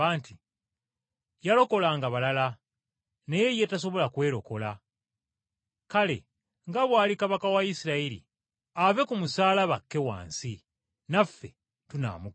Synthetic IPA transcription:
aːnti | jalo̞ko̞laŋɡaβalala | ne̞je̞je̞tas̬o̞βo̞lakwe̞ːɾo̞ko̞la | kale̞̰ | ŋɡaβwaːlikaβakawaisiɾailḭ | ave̞kumusaːlaβakːe̞wa̰ːnsi | nafːe̞ | tuna̰ːmu

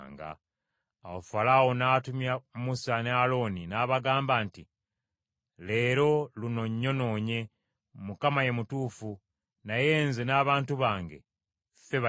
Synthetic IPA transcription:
ŋɡa̰ | a̰wofalawonaːtumjamusanealo̞ːninaːβaɡaːmbaːnti | le̞ːɾo̞luno̞ɲːo̞no̞ːɲe̞ | mukamaje̞mutuːfu | naje̞ːnzenaːβaːntuβaːŋɡe̞̰ | fe̞βa

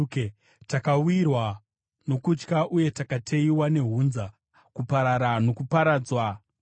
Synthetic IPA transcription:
k | takaujirwa | no̞kut͡ʃkaʔuje̞takatʰeiwane̞ɦuːnza | kupaɾaɾano̞kupaɾaːd͡zwa

